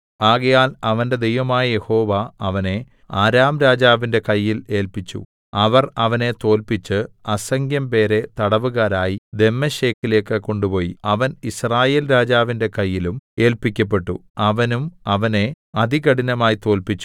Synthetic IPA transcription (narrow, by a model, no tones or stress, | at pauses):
aːɣɐjaːlɐʋɐnde̞d̪e̞jʋɐmaːjɐje̞ho̞ːʋaɐʋɐne̞ | aːɾaːmɾaːd͡ʑaːʋinde̞kɐjːile̞ːlpit͡ɕːṵ | ɐʋɐrɐʋɐne̞t̪o̞ːlpit͡ɕːɨɐsɐŋɡjɐmpe̞ːɾe̞t̪ɐɽɐʋuɣaːɾaːjid̪e̞mːɐɕe̞ːkːile̞ːkːɨkːo̞ɳɖupo̞ːjiɐʋɐnisraːjeːlɾaːd͡ʑaːʋinde̞kɐjːilume̞ːlpikʲːɐp̬ːe̞ʈːṵɐʋɐnumɐʋɐne̞ | ɐd̪ʱiɣɐɽinɐmaːjit̪o̞ːlpit͡ɕːu̥